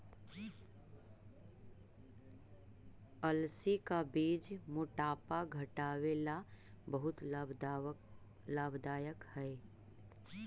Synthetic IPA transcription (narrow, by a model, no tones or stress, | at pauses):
əlsikabiːd͡ʒmʊʈaːpaɡʱəʈaːwela | bəɦʊt̪b | laːbd̪aːjəkhɛe